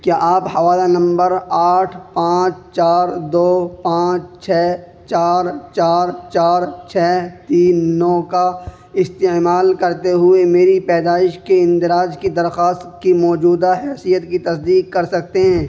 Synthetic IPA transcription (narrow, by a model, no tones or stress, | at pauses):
kjaʔaːphɐʋaːlanɐ̃mbəɾaːʈʰpãːt͡ʃt͡ʃaːɾd̪oːpãːt͡ʃt͡ʃʰɛː | t͡ʃaːɾt͡ʃaːɾt͡ʃaːɾt͡ʃʰɛːt̪iːnːɔːka | ɪst̪emaːlkɐɾt̪eɦʊemeːɾipɛːd̪aːɪʃkeɪ̃nt̪ɪɾaːd͡ʒkid̪ɐɾxaːst̪kimɔːd͡ʒuːd̪aɦɛːsijət̪kit̪ɐsd̪iːkːɐɾsɐk̚t̪eɦɛ̃ː